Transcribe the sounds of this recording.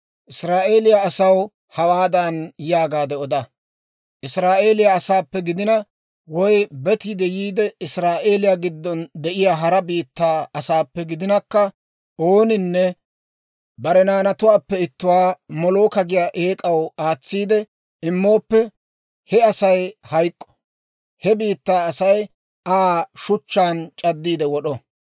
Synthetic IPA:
ʔɪsɾaːʔe̞ːlɪjaːsɐw | hɐwaːd̪ɐnjaːɡaːd̪ɛɔd̪ɐ | ʔɪsɾaːʔe̞ːlɪjaːsaːpːɛɡɪd̪ɪnɐ | wɔjbɛt̪id̪ɛjiːd̪ɛɪsɾaːʔe̞ːlɪjaɡɪd̪ːɔnd̪ɛʔɪjaːɦɐɾɐbiːt̪ːaːɐsaːpːɛɡɪd̪ɪnɐkːɐ | ʔo̞ːnɪnːɛ | bɐɾɛnaːnɐt̪ʊwaːpːɛɪt̪ːʊwaːmɔloːkɐɡɪjaːʔe̞ːkʼɐwaːt͡sːiːd̪ɛ | ɪmːo̞ːpːɛ | hɛɐsɐjhɐjkʼːɔ̥ | hɛbiːt̪ːaːsɐj | aːʃʊt͡ʃːaːnt͡ʃʼɐd̪ːiːd̪ɛwɔɗɔ

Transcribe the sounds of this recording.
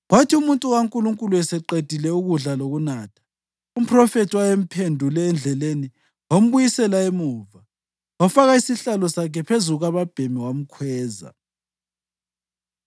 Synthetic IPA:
ɣwatʰiumuntʼuɣaŋkʼuluŋkʼuluɛsɛǃed̥ʱilɛuɣuɮaloɣunaːtʰḁ | um̩pʰrɔfetʰiwajem̩pʰendʱulɛːnd͡ɮʱɛleni | wom̩βujisɛlaemuːva | wafaɣaisiɬalɔsakʰɛpʰezuɣuɣaβab̥ʱemiwam̩kʰwɛːza̰

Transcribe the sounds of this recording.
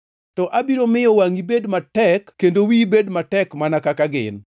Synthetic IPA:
tɔʔabiɾomɪjɔwaŋibedmatɛkːendowibedmatɛkmanakakaɡɪ̰n

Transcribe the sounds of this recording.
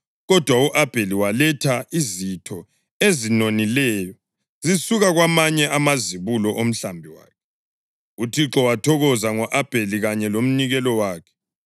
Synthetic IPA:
ɣɔd̥ʱwauʔab̥ʱeliwalɛtʰaizitʰɔ | ezinonilɛjɔ | zisuɣaɣwamaɲɛʔamaziβulɔʔom̩ɬambʱiwa̰ːkʰɛ | utʰiǁɔwatʰɔɣɔzaŋɔʔab̥ʱeliɣaɲɛlom̩niɣɛlɔwaːkʰɛ̥

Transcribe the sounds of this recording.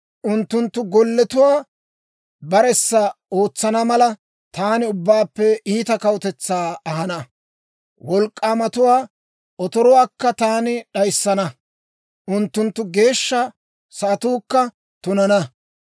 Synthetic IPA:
ʔʊnt̪ːʊnt̪ːʊɡɔlːɛt̪ʊwaː | bɐɾɛsːɐo̞ːt͡sːɐnɐmɐlɐ | t̪aːnɪʊbːaːpːɛiːt̪ɐkɐwt̪ɛt͡sːaːɐɦɐnɐ | wɔlkʼːaːmɐt̪ʊwaː | ɔt̪ɔɾɔwaːkːɐt̪aːnɪɗɐjsːɐnɐ | ʔʊnt̪ːʊnt̪ːʊɡe̞ːʃːɐ | saːt̪uːkːɐ | t̪ʊnɐnɐ

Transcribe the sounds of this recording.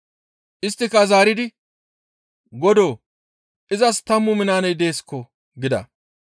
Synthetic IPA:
ʔɪst̪ːɪkɐzaːɾɪd̪ɪ | ɡɔd̪o̞ː | ʔɪzɐst̪ɐmːʊmɪnaːnɛjd̪e̞ːskːɔ | ɡɪd̪ɐ̰

